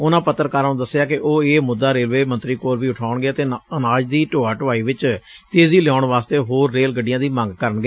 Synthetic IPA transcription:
ʊnãːpət̪ːəɾkaːɾũd̪əsːɪjaːkɪʔoːeːmʊd̪ːaːɾeːlʋeːmənt̪ɾiːkoːɾʋiːʊʈʰaːʊɳɡeət̪eːənaːd͡ʒd̪iːʈoːaːʈəʋaːiːʋɪt͡ʃ | t̪eːziːlɪjɔːʊɳʋaːst̪eːɦoːɾːeːlɡəɖɪjãːd̪iːmə̃ŋɡkəɾənɡeː

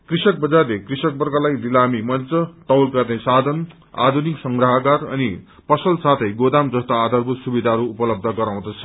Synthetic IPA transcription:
krisʌk̚bʌd͡zarlekrisʌk̚bʌrɡʌlajlilamimʌnt͡sʌt̪ʌwlkʌrẽsad̪ʱʌn | a̰d̪ʱuniksʌŋɡrʌɦakarʌ̰ni | pʌsʌlsat̪ʰʌjɡod̪amd͡zʌst̪aːd̪ʱarbut̪subid̪ʱaɾuːpʌlʌb̚d̪ʱʌɡʌɾaw̃d̪ʌt͡sʰʌ̥

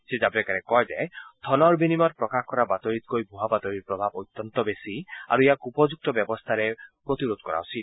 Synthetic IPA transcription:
sed͡ʒabɾekaɾekːɔɦed͡ʒa̰et̪ʰɔnɔɾbʱinimɔɾpɾɔkahkɔɾabat̪ɔɾit̪kojbʱuɦabat̪ɔɾiɾpɾɔbʱabot̪ːɔnt̪ɔbesia̰ɾuejakupɔd͡ʒuk̚t̪ɔbjɔbɔst̪ʰaɾepɾot̪iɾod̪ɔkɔɾa̰usʰit̪̚

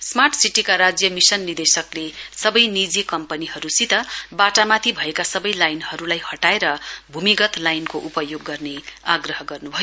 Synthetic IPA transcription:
smarʈsiʈikaɾad͡zjʌmisʌnːird̪esʌklesʌbʌjnid͡zekʌmpʌniɦʌɾusit̪ʌbaʈamat̪ʰibʱʌekasʌbʌjlajnhʌɾulajhʌʈaeɾʌbʱumiɡʌt̪lajnkoʔupʌjoɡːʌrneaɡrʌɦʌɡʌrnubʱʌjo

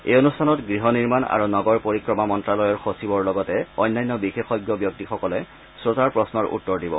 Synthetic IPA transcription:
ejonustʰanɔtɡɹiɦɔniɹmana̰ɹunɔɡɔɹpoɹikɹɔmamɔntɹalɔjɔɹxosibɔɹlɔɡɔtɛɔjnːajnːɔbixexɔjɡjɔbjok̚tixɔkɔlɛ | sɹotaɹpɹɔsnɔɹṵtːɔɹdibɔ̰

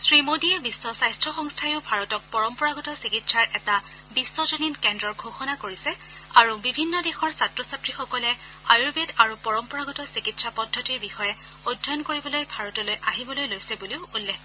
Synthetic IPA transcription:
sɹimodiɛbisːɔsajstʰɹɔxɔŋstʰajiʊbʱaɹɔtɔk̚pɔɹɔmpɔɹaɡɔtɔsikitsaɹʔɛta | bisːɔzoninkɛndɹɔɹɡʱoxɔnakoɹisɛ | aɹubibʱinːɔdexɔɹsatɹɔsatɹixɔkɔlɛ | ajubedaɹupɔɹɔmpɔɹaɡɔtɔsikitsʰapɔdʱːɔtiɹbixɔjɛ | odʱɔnkoɹibɔlojbʱaɹɔtɔlojʔaɦibɔlojlojsɛbuliʊulːɛ

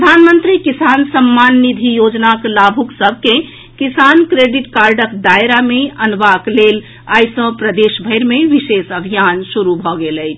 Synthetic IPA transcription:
pɾəd̪ʱanmənt̪ɾikisansəmːanːid̪ʱijod͡ʒnaklabʱuksəbʱke | kisankɾeɖiʈkaɾɖəkd̪ajɾameənbaklel | ajsə̃pɾəd̪esbʱəjɾmeʋisesəbʱijansuɾubʱɔɡelət͡ʃʰ

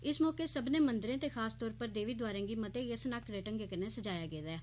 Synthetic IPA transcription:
ɪsmɔːkeːsəbneːmənd̪ɾẽːt̪eːxʰaːst̪ɔːɾpəɾd̪eːʋiːd̪ʊaːɾẽːɡiːmət̪eːjəsnakɾeːʈə̃ŋɡekəɾneːsəd͡ʒaːjaːɡeːd̪ɛː

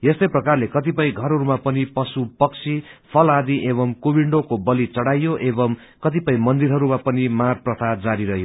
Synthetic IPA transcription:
jest̪ʌjprʌkarlekʌt̪ipʌj̃ɡʱʌɾʌɾumapʌnipʌsupʌkt͡sʰipʰʌlad̪iʔeβʌmkobiɳɖokobʌlit͡sʌɽajoʔebʌm | kʌt̪ipʌĩmʌnd̪iɾɦʌɾumapʌnimarprʌt̪ʰad͡zaɾiɾʌɦjo

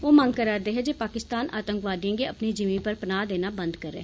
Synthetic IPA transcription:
oːmə̃ŋɡ̚kəɾaːd̪eːɦɛːd͡ʒeːpaːkɪst̪aːnʔa̰ːt̪ə̃ŋkʋaːd̪iãːɡeːəpniːd͡ʒɪmĩːpəɾpənaːd̪eːnaːbənd̪kəɾɛ̰ː

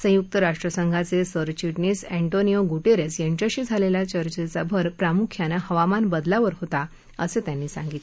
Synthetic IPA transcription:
sə̃juk̚t̪əɾaʂʈɾəsəŋɡʱat͡sesəɾt͡ɕiʈniːsẽɳʈonijoɡuʈeɾesjeɳt͡ɕaɕiːd͡zʱaleljat͡ɕəɾt͡ɕet͡sabʱəɾpɾamukʰjanahəʋamanbəd̪laʋəɾɦot̪a | ə̰set̪janːiːsã̰ŋɡit̪e

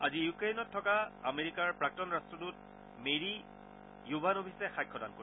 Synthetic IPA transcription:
azijukɹejnɔtʰːɔkaameɹikaɹpɹak̚tɔnɹastɹɔtut̚ | meɹi | jubʱanobʱisɛxajkʰːɔdankoɹi

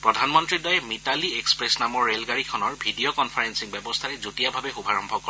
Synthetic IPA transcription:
pɹɔdʱanmɔntɹidɔjmitaliekspɹesnamɔɹːelɡaɹikʰɔnɔɹbʱidiokɔnpʰaɹensiŋbjɛbɔst̪ʰaɹɛzutijabʱabɛxubʱaɹɔmbʱɔkɔ

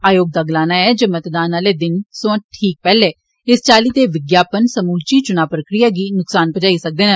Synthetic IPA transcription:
aːjoːɡ̚d̪aːɡlaːnaːɛːd͡ʒəːmət̪d̪aːnaːleːd̪ɪnsõːʈʰiːk̚pɛːleː | ɪst͡ʃaːliːt̪eːʋɪɡjaːpənsəmuːlt͡ʃiːt͡ʃʊnaːpɾəkɾijaːɡiːnʊksaːnpəd͡ʒaːiːsək̚d̪eːnː

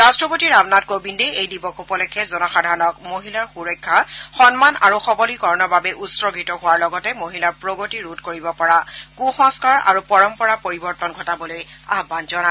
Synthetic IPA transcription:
ɹastɹɔpotiɹabnat̚kobindɛejdibɔkʰupɔlɛkʰːɛzɔnɔxadʱaɹɔnɔkmoɦilaɹxuɹɔjkʰːaxɔnmanaɹuxɔbɔlikɔɹɔnɔbabɛʔutsɹɔɡʱitɔɦʊwaɹlɔɡɔtɛmoɦilaɹpɹoɡotiɹutkoɹibɔpɔɹakuxɔ̃ŋskaɹa̰ɹupɔɹɔmpɔɹapoɹibɔɹtɔnɡʱɔtabɔlojaɦbanzɔna

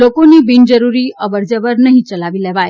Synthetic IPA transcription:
lokoniːbind͡zəɾuɾiːʔəʋəɾd͡zəʋəɾnəɦit͡səlaʋiːlɛʋaj

